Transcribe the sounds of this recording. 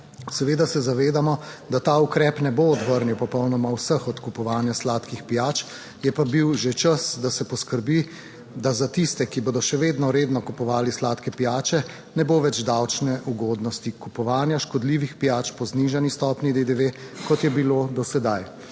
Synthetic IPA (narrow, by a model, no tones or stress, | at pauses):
sɛʋeːd̪asɛzaʋeːd̪amɔd̪at̪aːukɾɛːpnɛboɔd̪ʋəɾniwpɔpɔwnɔmawsəxɔt̪kupɔʋaːnjaslaːt̪kixpijaːt͡ʃ | jɛpabiwʒet͡ʃəsd̪asɛpɔskəɾbi | d̪azat̪ist̪ɛkiboːd̪ɔʃɛʋeːd̪nɔɾeːd̪nɔkupɔʋaːlislaːt̪kɛpijaːt͡ʃɛ | nɛboːʋɛd͡ʒd̪awt͡ʃnɛʔuɡɔːd̪nɔst̪ikupɔʋaːnjaʃkɔd̪liʋixpijaːt͡ʃpɔzniʒanist̪ɔːpnid̪ed̪eʋe | kɔt̪jɛbiloːd̪ɔsɛd̪aj